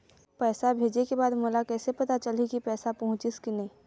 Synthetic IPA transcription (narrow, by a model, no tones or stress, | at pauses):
pɛːsabʱeːd͡ʒekebaːd̪moːlakɛːsepɐt̪at͡ʃɐlikipɛːsapɐɦʊ̃t͡ʃɪskɪneː